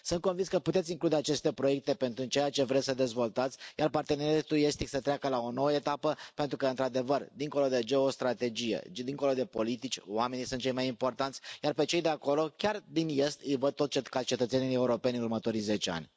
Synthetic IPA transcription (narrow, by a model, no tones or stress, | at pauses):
sunt̪̚konvinskəput̪esʲiŋklud̪e̞at͡ʃe̞st̪e̞pɾo̞je̞k̚t̪e̞pe̞nt̪ɾut͡ʃe̞jat͡ʃe̞vɾesʲsəd̪e̞zvo̞lt̪at̪sʲjarpart̪e̞neɾɾat̪uje̞st̪iksət̪ɾeakəlao̞no̞wəet̪apəpe̞nt̪ɾukəɨnt̪ɾad̪e̞vərd̪iŋko̞lo̞d̪e̞d͡ʒe̞ost̪ɾat̪e̞d͡ʒijḛd̪iŋko̞lo̞d̪e̞po̞lit̪it͡ʃʲwame̞nijsunt̪̚t͡ʃe̞jmajimpo̞rt̪ant̪sʲjarpe̞t͡ʃe̞jd̪e̞ako̞lo̞kʲard̪inje̞st̪ɨjvəd̪̚t̪o̞t̪t͡ʃekat͡ʃe̞t̪ət̪se̞nije̞uɾo̞pe̞nʲɨnurmət̪o̞ɾijze̞t͡ʃe̞a̰nʲ